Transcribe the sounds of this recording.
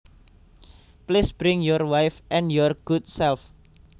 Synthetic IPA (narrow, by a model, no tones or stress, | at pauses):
plisb̥ɾɪŋjɔrwajfʔɛ̃njɔrɡ̥ut̚sɛlf